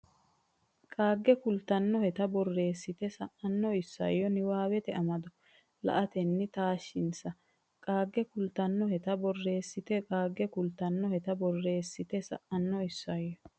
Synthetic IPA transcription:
kʼaːɡːɛkʊlt̪ɐnːɔhɛt̪ɐbɔrːe̞ːsːɪt̪ɛsɐʔɐnːɔɪsːɐ̰jːɔnɪwaːwɛt̪ɛɐmɐd̪ɔ | lɐ̰ʔɐt̪ɛnːɪt̪aːʃːɪnsɐ | kʼaːɡːɛkʊlt̪ɐnːɔhɛt̪ɐbɔrːe̞ːsːɪt̪ɛkʼaːɡːɛkʊlt̪ɐnːɔhɛt̪ɐbɔrːe̞ːsːɪt̪ɛsɐ̰ʔɐnːɔɪsːɐjːɔ

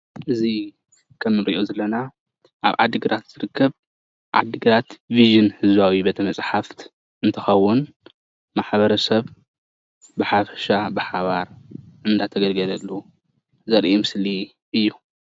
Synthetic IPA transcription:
ʔɨzi | kʰɐmːɨɾiʔozɐlɐna | ʔa̰βʕa̰d̪ːɨɡɨɾat̪z̥ɨɾɨkʰːɐβ | ʕa̰d̪ːɨɡɨɾat̪viʒɨnhɨzβawibɐt̪ʰɐmɐsʼħaft̪ | ʔɨnt̪ʰɐxɐwʊn | maħbɐɾɐsɐβ | bɨħafɐʃabɨħaβaɾʕɨnd̪at̪ʰɐɡɐlɡɐlɐlːu | zɐɾʔimɨsli | ʔɨjːu

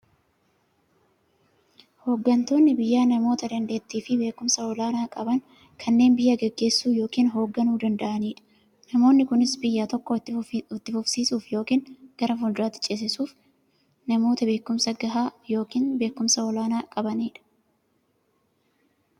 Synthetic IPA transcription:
ho̞ːɡːɐnt̪oːnːɪbɪjːaːnɐmo̞ːt̪ɐd̪ɐnd̪eːt̪ːiːfɪbe̞ːkʊmsɐɔlaːnaːkʼɐbɐŋ | kʰɐnːe̞ːnbɪjːɐɡɛɡːe̞ːsːuːjo̞ːkiːnɦo̞ːɡːɐnuːd̪ɐnd̪ɐʔɐniːᶑɐ̥ | nɐmo̞ːnːɪkʊnɪsbɪjːaːt̪ɔkːɔɔt̪ːɪfʊfsiːsuːfjo̞ːkiːnɡ̥ɐɾɐfʊld̪aːt̪ːɪ̥t͡ʃʼes̬ɪsuːf | nɐmo̞ːt̪ɐbe̞ːkːʊmsɐɡɐɦaːjo̞ːkiːnbe̞ːkːʊmsɐɔlaːnaːkʼɐbɐniːᶑɐ̥

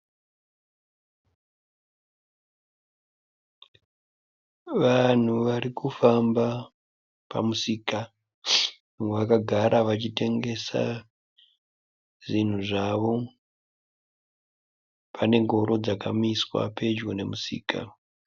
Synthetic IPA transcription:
ʋan̤uʋaɾikufamba | pa̰musiːka | ʋakaɡʱaɾʔaʋat͡ʃite̞ŋɡe̞sa̰ | ʐin̤uʐaʋo̞ | pʰane̞ŋɡʱo̞ɾo̞d͡zakamiswa̰pe̞d͡ʒɡone̞musḭːka̰

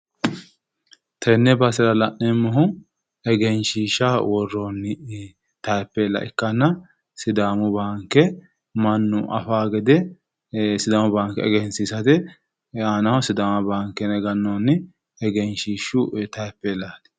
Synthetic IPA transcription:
t̪ʰɛnːɛbɐsɪɾɐlɐʔnɛmːɔɦʊ | ɛɡɛnʃiːʃawɔrːonːɪ | t̪ɐjpːɛːlːɐ̰ʔɪkːɐnːɐ | sɪd̪aːmʊbaːŋkːɛ | mɐnːʊʔɐ̰faːɡɛd̪ɛ | sɪd̪aːmʊbaːŋkɛɛɡɛnsisɐt̪ɛ | anɐhʊsɪd̪aːmɐbaːŋkːɛnɛɡɐnːonːɪ | ɛɡɛnʃiːʃʊt̪ɐjɛpːɛːlːaːt̪ɪ̥

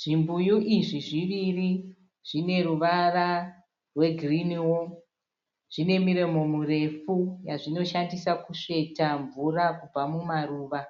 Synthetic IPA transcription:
ʐ̥imbujuʔiʐiʐiʋiri | ʐ̥ine̞ruʋara | rwe̞ɡʱriniwo | ʐ̥ine̞miɾemo̞mure̞fujaʐino̞ʃandisakuʂe̞taɱvurakub͡vamumaruːʋa

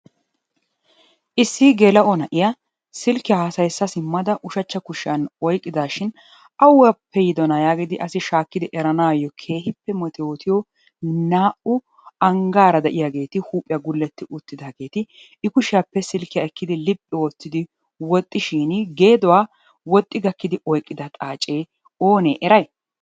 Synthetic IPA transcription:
ʔɪsːɪɡɛlɐʔɔnɐʔɪjɐ | sɪlkːɪjahɐsɐjsːɐsɪmːɐd̪ɐʔʊʃɐt͡ʃːɐkʊʃɪjɐnɔjkʼːɪd̪aːʃɪn | ʔɐwːɐpːɛjɪd̪ɔnajaːɡɪd̪ɪʔɐsɪʃaːkːɪd̪ɪʔɛɾɐnaːjɔkʰe̞ːhɪpːɛmɔt̪ɛoːt̪ʰɪjɔ | naːʔʊ | ɐŋɡaːɾɐd̪ɐʔɪjaɡe̞ːt̪ɪhuːpʼːɪjaɡʊlːɛt̪ːɪʔʊt̪ːɪd̪aːɡe̞ːt̪ɪ | ɪkʊʃɪjapːɛsɪlkːɪjaɛkːɪd̪ɪlɪpʼːɪoːt̪ːɪd̪ɪ | wɔt̪ʼːɪʃiːnɡe̞ːd̪ɔwaː | wɔt̪ʼːɪɡɐkːɪd̪ɪʔɔjkʼːɪd̪ɐt̪ʼaːt͡ʃʼe̞ː | o̞ːnḛːʔɛɾɐj

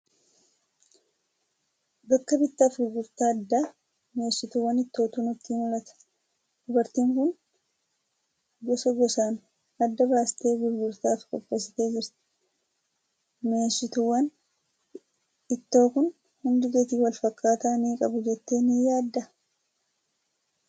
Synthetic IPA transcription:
bɐkːɐbɪt̪ːaːfɡʊɾɡʊɾt̪aːɐd̪ːa | me̞ːsːɪt̪ʊwːɐnɪt̪ːo̞ːt̪uːnʊt̪ːiːmʊlɐt̪ɐ̥ | d̪̥ʊbɐɾt̪iːŋkʊn | ɡɔsɐɡɔsaːn | ɐd̪ːɐbaːsɪ̥t̪e̞ːɡʊɾɡʊɾt̪aːfkʼɔpːɐs̬ɪ̥t̪e̞ːd͡ʒɪɾt̪ɪ̥ | me̞ːʃːɪt̪ʊwːɐn | ɪt̪ːo̞ːkʊn | hʊnd̪ɪɡeːt̪iːwɐlfɐkːaːt̪aːniːkʼɐbʊd͡ʒɛt̪ːe̞ːnɪjaːd̪ːɐ

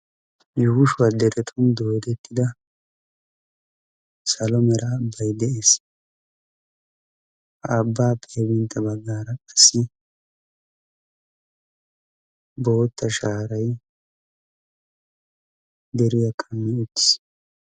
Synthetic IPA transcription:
jʊhʊʃʊwɐd̪ɛɾɛt̪ʼʊmd̪oːd̪ɛt̪ːɪd̪ɐ | sɐlɔmɛɾɐːbːɐjd̪ɛʔe̞ːs | hɐːbːaːpʼeːbɪnt̪ːɐbɐɡːaːɾɐɐsːɪ | bo̞ːt̪ːɐʃaːɾɐj | d̪ɛɾɪjɐkʼɐmːɛʊt̪ːɪ̥s

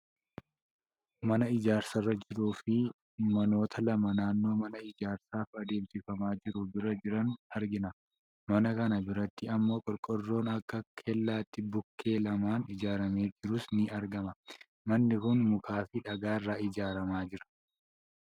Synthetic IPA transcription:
mɐnɐɪd͡ʒaːɾsɐrːɐd͡ʒɪɾuːfɪ | mɐno̞ːt̪ʰɐlɐmɐnaːnːo̞ːmɐnɐɪd͡ʒaːɾsaːfɐd̪e̞ːmsɪfɐmaːd͡ʒɪɾʊbɪɾɐd͡ʒɪɾɐnɐɾɡɪnɐ | mɐnɐkɐnɐbɪɾɐt̪ːɪɐmːo̞ːkʼɔlkʼɔrːo̞ːnɐkːɐkʰɛlːaːt̪ːɪbʊkːe̞ːlɐmaːnɪd͡ʒaːɾɐme̞ːd͡ʒɪɾʊsnɪɐɾɡɐmɐ | mɐnːɪkʊnmʊkaːfɪᶑɐɡaːrːaːɪd͡ʒaːɾɐmaːd͡ʒɪɾɐ̥

